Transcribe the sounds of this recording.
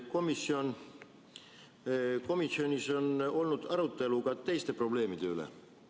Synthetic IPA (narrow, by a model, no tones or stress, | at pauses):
ko̞misːio̞n | ko̞misio̞nʲiso̞no̞lnud̪̥ɑɾut̪ːˑe̞luɡ̥ɑt̪e̞jst̪e̞pro̞ble̞ːmid̪̥e̞ylḛ